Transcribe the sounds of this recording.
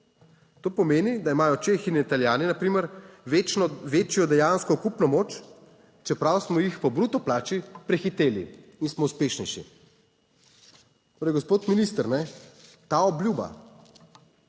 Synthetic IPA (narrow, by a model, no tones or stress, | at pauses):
t̪oːpɔmeːnid̪aimaːjɔt͡ʃexinit̪aljaːninapɾiːməɾet͡ʃnɔʋeːt͡ʃjɔd̪ɛjanskɔkupnɔmoːt͡ʃ | t͡ʃɛpɾawsmɔjixpɔbɾut̪ɔplaːt͡ʃipɾɛxit̪eːlḭinsmɔuspeʃnɛjʃḭ | t̪oːɾɛjɡospoːt̪minist̪əɾnɛ | t̪aːɔbljuːba̰